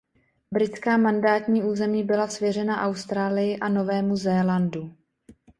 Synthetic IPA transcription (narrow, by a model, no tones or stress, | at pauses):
bɾɪt͡skaːmandaːt̪ɲiːʔuːzɛmiːbɪlasvjɛrɛnaʔawst̪ɾaːlɪjɪʔano̞vɛːmuzɛːlandu